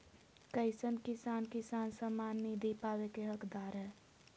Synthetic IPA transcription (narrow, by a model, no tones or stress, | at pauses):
kəɪsənkisankisansəmanːid̪ipawekeɦəkd̪aɾɦɛ